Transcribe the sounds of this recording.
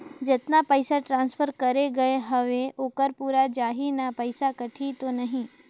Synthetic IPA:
d͡ʒət̪napəjsaʈɾãnsfʰəɾkəɾeɡəeɦəʋeʔoːkəɾpuɾad͡ʒaɦinapəjsakəʈʰit̪onəɦĩ

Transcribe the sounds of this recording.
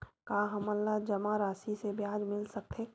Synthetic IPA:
kaːɦɐmɐlːad͡ʒɐmaɾaːsisebjaːd͡ʒmɪlsɐk̚t̪ʰeː

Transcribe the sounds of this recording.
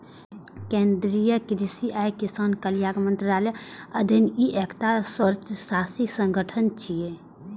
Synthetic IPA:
kẽnd̪ɾijəkɾisiʔajkisaːnkəlijaɡmənt̪ɾaːleəd̪ʱiniʔekʰt̪aswəɾt͡ʃsasisə̃ŋɡəʈʰənt͡ʃie

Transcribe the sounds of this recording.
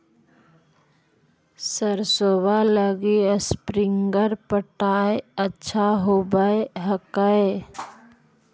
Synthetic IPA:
səɾsoːwaləɡiəspɾɪŋɡəɾpəʈaːeətːʃʰaɦoːbəeɦəkae

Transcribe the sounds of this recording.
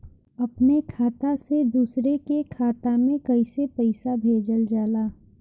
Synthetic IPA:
ɐpnekʰaːt̪ased̪uːsɾekekʰaːt̪amẽkɐisepɐɪsabʱeːd͡ʒəld͡ʒaːlaː

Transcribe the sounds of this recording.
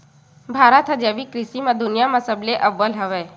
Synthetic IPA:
bʱaːɾət̪ʰɦəd͡ʒeːʋikɾɪsimãd̪ʊnɪjamãsəbleʔəʋːəlɦəʋeː

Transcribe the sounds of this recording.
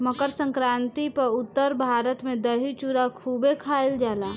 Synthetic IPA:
məkəɾsə̃ŋkɾaːnt̪ipəɾʊtt̪ːəɾbʱaːɾət̪mẽd̪əɦit͡ʃuɾakʰubekʰaild͡ʒaːla

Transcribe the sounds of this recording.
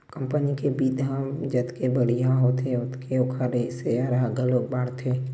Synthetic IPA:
kəmpənikebid̪ʱãmd͡ʒət̪kebəɽijãɦot̪eʊt̪kʰeʊkʰaɾeseaɾaɡəloːk̚baːɽt̪ʰeː

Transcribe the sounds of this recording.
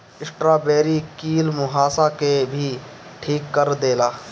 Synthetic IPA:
ɪsʈɾaːbeːɾikiːlmʊɦaːsakebʱi | ʈʰiːkːəɾd̪eːlaː

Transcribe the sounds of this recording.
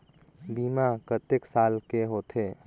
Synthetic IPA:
biːmakət̪eksaːlkeɦot̪ʰe

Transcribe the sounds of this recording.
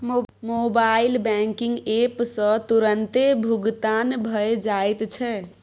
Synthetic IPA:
mobailbɛŋkiŋɡepsə̃t̪uɾənt̪ebʱuɡt̪anbʱəed͡ʒajt̪t͡ʃʰɛ

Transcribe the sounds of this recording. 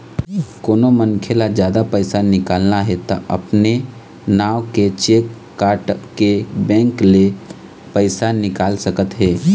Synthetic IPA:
koːnomənkʰelad͡ʒjaːd̪apəɪsanɪkaːlnaɦɛt̪oʔɐ̰pne | naːʋket͡ʃeːkː | aːɾʈkebɛ̃ːŋkle | pəɪsanɪkaːlsəkət̪ɦɛː

